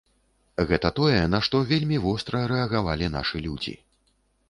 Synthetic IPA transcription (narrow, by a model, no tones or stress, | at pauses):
ɣɛt̪ɐt̪ɔjɛnɐʂt̪ɔvʲelʲmʲivɔst̪ɾɐɾɛɐɣavalʲina̰ʂɨlʲud͡zʲḭ